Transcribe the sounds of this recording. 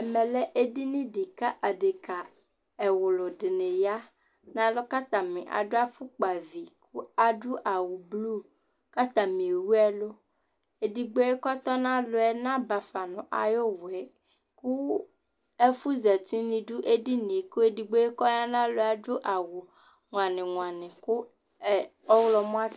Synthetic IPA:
ɛ˨mɛ̃˨lɛ˦ʔe˦di˦nĩ˦ɖi˨ka˦ʔa˨ɖe˨ka˨ | ɛ˨wo˨lo˨ɖe˨nẽ˨ja˦ | nã˦lo˦ka˦t̪ã˨mḭ̃˨ʔa̰˨ɖo˦a˦fu˦k͡pa˨vi˨kʰu˦a˨ɖu˦ʔa˨wu˨blu˦ | ka˦t̪ã˨mĩ˨wu˦ɛ˦lo˦ | e˨di˨ɡ͡be˦e˦kɔ˦t̪ɔ˦nã˦lo˨ɛ˦nã˦ba˨fa˨nɔ̃˨ʔa̰˨jo˦wɛ˨ | ku˦ | e˦fu˦zɛ˨t̪i˦nĩ˨ɖu˦ʔe˦di˦nĩ˨ku˦e˦˨di˨ɡ͡be˦e˦kɔ˦ja˦nã˦lo˦a˨ɖʊ˦ʔa˨wo˨ | ŋ˨a˨nɪ̃˨ŋ̃˨a˨nɪ̃˨kʊ˦˨ | ɔ˦wlɔ˦mɔ̃˦a˦

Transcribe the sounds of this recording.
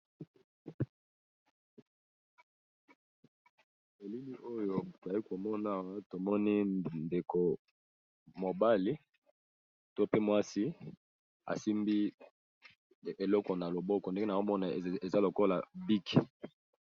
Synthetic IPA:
e˨li˦mi˦ʔo˦jo˨ta˨i˦ko˨mɔ˦na˨a˨wa˦to˨mɔ˦ni˦nde˨ko˨ | mo˨ba˦li˦ | to˦pe˦mwa˦si˦ | a̰˨si˦mbi˦˨ | e˨lɔ˦kɔ˨na˨lo˨bɔ˦kɔ˨nde˦ŋɡe˦na˨o˦mɔ˦na˨e˨za˦lo˨ko˦la˨bi˦k

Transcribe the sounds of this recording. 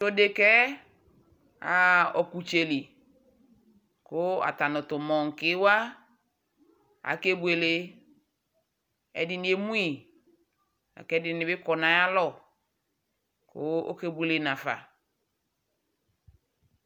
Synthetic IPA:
to˦de˨kɛ˦ | a˨ɔ˨ku˨t͡ʃe˨li˨ | kʊ˦a̰˨ta˨nʊ˨tʊ˨mɔ˨ŋ̩˨kɪ˦wa˦ | a̰˨ke˦bu˦˨e˨le˦ | ɛ̰˨dɪ˦nɪ̃˨˦e˦mu˦i˨ | a̰˨kɛ˦dɪ˨nɪ˨bɪ˦kɔ˨nã˨ja˦lɔ˦˨ | kʊ̰˦o̰˦ke˦bu˨e˨le˨na˨fa̰˨

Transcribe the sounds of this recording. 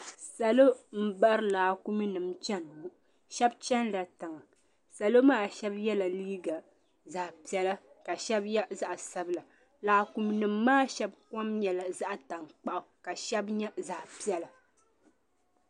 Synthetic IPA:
sa˨lo˦m̩˦ba˦ʔɾɨ˦laː˨ku˦mi˦nɨ˨mt͡ʃɛ˦n˨wu˦ | ʃɛ˦bt͡ʃɛ˦nla˨tɨ˨ŋa˨ | sa˨lo˦maː˦˨ʃɛ˦bjɛ˦la˨liː˦ɡa˨ | za˨ʔpi˨ɛ˦la˦ | ka˨ʃɛ˦bjɛ˦za˦ʔsa˦bɨ˦la˨ | laː˨ku˨mi˦nɨ˨mːaː˦ʃɛ˦b̚kɔ˦mɲɛ˨la˨za˦ʔta˨ŋk͡pa˦˨ʔʊ˨ka˨ʃɛ˦bɲɛ˦za˨ʔpi˦ɛ˦la˨

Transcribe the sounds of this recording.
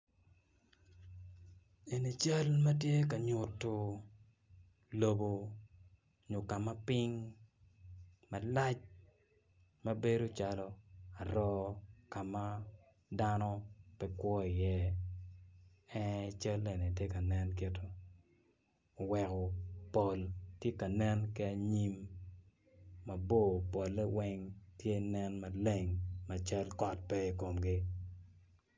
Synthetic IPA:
e˨ni˨t͡ʃa˦lma˦tje˦ka˨ɲʊ˨tːo˨ | lo˦bo˦ | ɲʊ˨ka˨ma˦pi˦ŋ | ma˨la˦t͡ʃ | mɐ˦be˦ɾo˦t͡ʃa˦lɔ˦a˨ɾɔ˦ka˨ma˦ | da˦nɔ˦pɛ˦kwɔ˦ɪ˨jɛ˦ | ɛ˦t͡ʃa˦le˨ne˨tje˦ka˨nɛ˦nke˨to˦˨ | wɛ˨kɔ˨po˨ltje˦ka˨nɛ˦nkɪ˦a˨ɲi˦m | a˨bo˦˨po˨lːɛ˦wɛ˦ŋtje˦nɛ˦nma˨le˦ŋma˨t͡ʃa˦lkɔ˨t̚pɛ˦i˨ko˨mɡɪ˦

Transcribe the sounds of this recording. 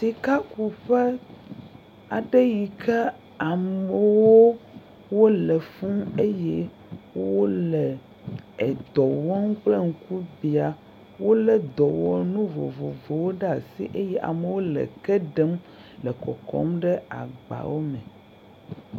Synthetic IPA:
si˨ka˦ku˨ɸɛ˦ | a˨ɖe˦ji˨kʰɛ˦ | a˨mme˨wo˦ | wo˦lɛ˨fũ˦e˦jɛ˦ | wo˦lɛ˨ | ɛ˨d̪ɔ˨wɔ˦ŋu˦k͡ple˦ŋ̩˨ku˦bi˨a˨ | wo˦lɛ˦d̪ɔ˨wɔ˨nũ˦vo̰˨vo˨vo˨wo˦ɖɛ˦a˨sḭ˦ʔe˦jɛ˦ʔa̰˨me˨wo˦lɛ̰˨kɛ˦ɖɛ˦m | lɛ˨kɔ̰˨kɔ̰˦mɖɛ˦a̰˨ɡ͡ba̰˨wo˦mɛ̃˨

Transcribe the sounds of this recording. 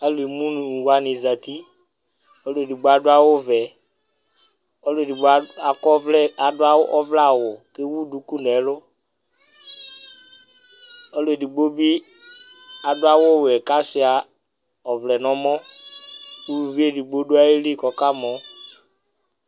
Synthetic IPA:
a˦le˨mũ˦n˨wa˨ni˨za˨t̪i˦ | ɔ˦lo˦e˨di˨ɡ͡bo˦a˦dʊ˦a˦wʊ˦vɛ˨ | ɔ˦le˨di˨ɡ͡ba˨kɔ˦vlɛ˦a˨dʊ˦a˦wʔɔ˦vla˦˨wʊ˨ke˦wu˦du˨˦ku˦nɛ˨˦lʊ˦ | ɔ˦lo˨e˨di˨ɡ͡bo˦bi˦ | a˨dʊ˦a˦wʊ˦˨wɛ˨ka˦sɪ˨a˨ | ɔ˨vlɛ˨nɔ̃˨˦mɔ̃˦ | u˦lu˨vi˦e˦˨di˨ɡ͡bo˦du˦a˦e˦li˦˨kɔ˨ka˦mɔ̃˨˦

